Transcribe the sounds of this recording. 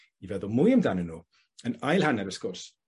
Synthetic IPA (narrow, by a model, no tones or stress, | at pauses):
ivɛðʊlˠmʊjəmdanənːuː | ənajlˠhanɛɾəskɔrs